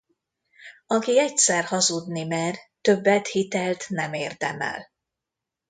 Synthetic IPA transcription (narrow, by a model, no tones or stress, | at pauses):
ɒkiɛc̚sɛrhɒzud̪nimɛrt̪ø̞bːɛt̪hit̪ɛlt̪nɛmeːrd̪ɛmɛ̰l